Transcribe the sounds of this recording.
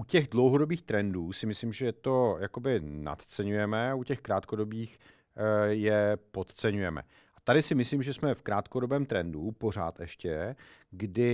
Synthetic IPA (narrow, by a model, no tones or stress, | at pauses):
ʔucɛɣdlo̞wɦo̞dobiːxt̪ɾɛnduːsɪmɪslimʒɛjɛt̪o̞jakobɪna̰t̪t͡sɛɲujɛmɛaucɛxkɾaːt̪ko̞do̞biːx | jɛpo̞t̪t͡sɛɲujɛmɛ̰ | ʔat̪adɪsɪmɪsliːmʒɛsmɛfkɾaːt̪kodo̞bɛːmt̪ɾɛndupo̞r̝a̰ːt̪ʔɛʃcɛɡdɪ